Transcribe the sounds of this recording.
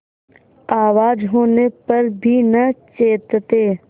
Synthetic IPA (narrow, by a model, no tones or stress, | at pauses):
aːʋaːd͡ʒɦoːnepɐɾbʱinɐt͡ʃeːt̪t̪eː